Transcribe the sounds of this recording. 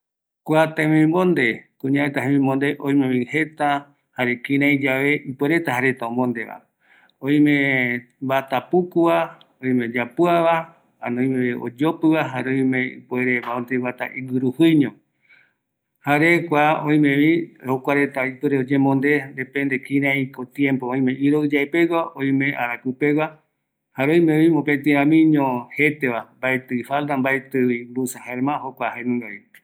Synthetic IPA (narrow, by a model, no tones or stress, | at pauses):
kʷat̪emĩmõnd̪e̞kũɲãet̪aɦẽmĩmõnd̪e̞ʔõj̃mẽβihe̞t̪a | haɾekĩɾ̃ãjd͡ʒaʋe̞ʔipueɾe̞t̪ahaɾe̞t̪aõmõnd̪e̞βa̰ | õj̃mẽ | bat̪apukua | õĩme̞d͡ʒapuaβa | anõĩmẽio̰d͡ʒo̞pɨβaɦaɾeõĩmẽḭpweɾeβaont̪eβat̪a̰ʔiɡɨɾuhɨɲõ | haɾekʷaõj̃mẽβihokʷaɾet̪aipɨɾeod͡ʒẽmõnd̪end̪epẽnd̪ekĩɾãĩkot̪jẽmpoõj̃mẽʔiɾoɨd͡ʒaepewʷaõĩmẽ̞ʔa̰ɾakɨpe̞wa | haɾõj̃mẽĩmopet̪̬ĩɾãmĩɲõhe̞t̪eʋambaet̪ɨifalt̪ambaet̪ɨimbusahaeɾmãɦokʷahanũŋɡait̪e̥